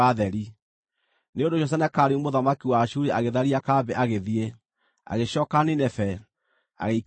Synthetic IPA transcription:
aðɛɾi | neondoɕɔs̬ɛnɛkaɾeumoðamakiwaʃuɾeʔaɣeðaɾiakabɛʔaɣeðie | a̰ɣeɕɔːkaninɛfɛ | a̰ɣeik

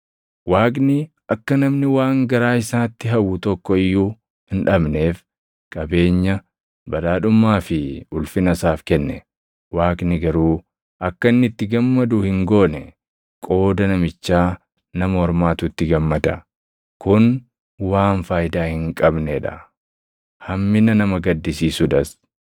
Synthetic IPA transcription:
waːk̬ʼnɪ | ʔɐkːɐnɐmnɪwaːŋɡɐɾaːɪsaːt̪ːɪɦɐwːʊt̪ɔkːɔɪjːuː | hɪnᶑɐbne̞ːf | kʼɐbe̞ːɲːɐ | bɐlaːᶑʊmːaːfɪʊlfɪnɐsaːfkɛnːɛ | waːknɪɡɐɾuː | ʔɐkːɐnːɪt̪ːɪɡɐmːɐd̪ʊhɪŋɡo̞ːnɛ | kʼo̞ːd̪ɐnɐmɪt͡ʃːaː | nɐmɐhɔɾmaːt̪ʊt̪ːɪɡɐmːɐd̪ɐ | kʊn | waːnfaːjd̪aːhɪŋkʼɐbnɛᶑɐ̰ | hɐmːɪnɐnɐmɐɡɐd̪ːɪsiːsʊᶑɐs

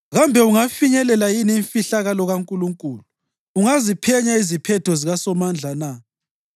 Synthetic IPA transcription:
ɣambʱɛuŋafiɲɛlɛlajiniːɱfiɬaɣalɔɣaŋkʼuluŋkʼuːluː | ŋazipʰɛɲaizipʰɛtʰɔziɣasɔmand͡ɮʱana

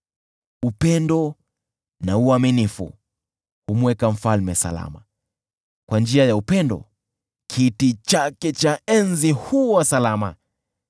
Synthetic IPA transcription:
upɛndɔ | nauaminifṵ | humwɛkam̩falmɛsa̰la̰ma | kwand͡ʒiajaupɛndɔ̰ | kʰitit͡ʃakɛt͡ʃaɛnzihuwasalama̰

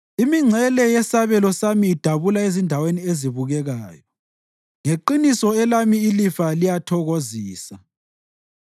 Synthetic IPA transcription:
imiŋ͡ǀʱɛlɛjɛsaβɛlɔsamiːd̥ʱaβulaezindʱawenieziβuɣɛɣaːjɔ | ŋeǃinisɔɛlamiːlifalijatʰɔɣoziːsa

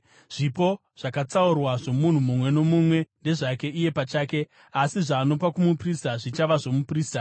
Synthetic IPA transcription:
ʐ̥ipo̞ | ʐ̥akat͡saurwaʐo̞mun̤umumwe̞no̞mumwe̞nde̞ʐake̞ʔije̞pat͡ʃaːke̞ | asiʐaːno̞pakumupristaʐit͡ʃaʋaʐo̞mupriːsta

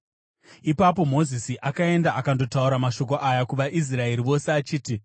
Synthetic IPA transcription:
ipap̬o̞mo̞zisiʔakae̞ndaakando̞tauɾamaʃo̞k̬o̞ʔajakuʋaʔis̬rae̞ɾiʋo̞seat͡ʃiːti

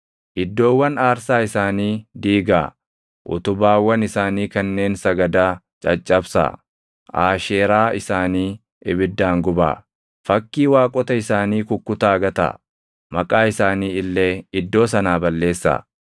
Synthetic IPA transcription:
ʔɪd̪ːo̞ːwːɐnaːɾsaːɪsaːniːd̪iːɡaː | ʔʊ̰t̪ʊbaːwːɐnɪsaːniːkɐnːe̞ːnsɐɡɐd̪aː | t͡ʃʼɐt͡ʃʼːɐbsa̰ː | ʔa̰ːʃeːɾaːɪsaːniː | ʔɪbɪd̪ːaːŋɡʊba̰ː | fɐkːiːwaːkʼɔt̪ɐɪsaːniːkʊkːʊt̪aːɡɐt̪a̰ | mɐkʼaːɪsaːniːɪlːeːɪd̪ːo̞ːsɐnaːbɐlːe̞ːsːa̰ː

